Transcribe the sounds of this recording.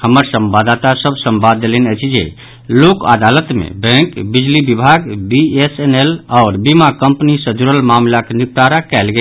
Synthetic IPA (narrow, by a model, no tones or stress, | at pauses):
həməɾsəmbad̪at̪asəbʱsəmbad̪ːelenɛt͡ʃʰid͡ʒḛ | loka̰d̪alət̪mḛbɛ̃kbid͡ʒlibibʱaɡbiesenelɔːɾbimakəmpnisəd͡ʒuɾəlmamlakenik̚t̪aɾakɛlɡe